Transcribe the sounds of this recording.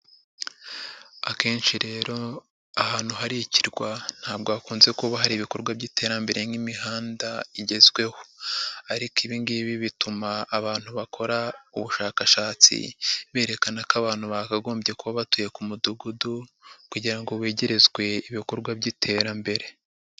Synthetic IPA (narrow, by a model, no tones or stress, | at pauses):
ake̞ːnʃiɾe̞ːɾo̞ | ahaːn̥huɦaɾiciɾɡwan̥haːb̚ɡoβakuːnze̞kuβaɦaɾiːβiko̞ɾɡwabɟitʰe̞ːɾambe̞ɾe̞ŋɡimiɦaːndaiɟe̞zɡwe̞ho̞aɾikiβiŋɡiβiβitumaːβaːn̥huβakʰo̞ɾauβuʃaːkaʃaːt͡sḭβeːɾe̞kanakaβaːnhuβakaɡo̞ːmbje̞kuβaβatuje̞kumuduɡudukuɟiɾaŋɡo̞weːɟe̞ɾe̞zɡwe̞iβiko̞ɾɡwabɟitʰe̞ːɾambe̞ɾe̞